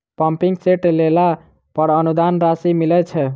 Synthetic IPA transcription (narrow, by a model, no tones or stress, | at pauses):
pəmpiŋɡseʈlela | pəɾənud̪anɾasimilɛt͡ʃʰɛ